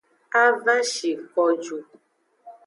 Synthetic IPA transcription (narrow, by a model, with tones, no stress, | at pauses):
a˦va˦ʃi˨kɔ˧d͡ʒu˨